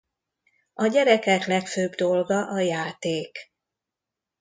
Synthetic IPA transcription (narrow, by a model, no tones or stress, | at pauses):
ɒɟɛɾɛkɛklɛkføːbd̪o̞lɡɒʔɒjaːt̪eːk